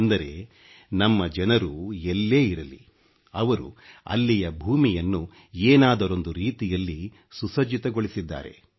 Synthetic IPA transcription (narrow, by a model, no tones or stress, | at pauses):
nd̪ɐɾe̞ | nɐmːɐd͡ʒɛnɐɾuelːe̞ːiɾɐlḭ | ɐʋɐɾṵɐ̰lːijɐbʱuːmijɐnːu | eːnaːd̪ɐɾo̞nd̪uɾiːt̪ijɐlːi | susɐd͡ʒit̪ɐɡoɭisid̪ːa̰ːɾe̞̰